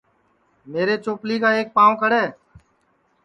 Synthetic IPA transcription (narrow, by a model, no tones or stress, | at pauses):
meːɾeːt͡ʃoːpliːkaːeːk̚paːʋkəɽeː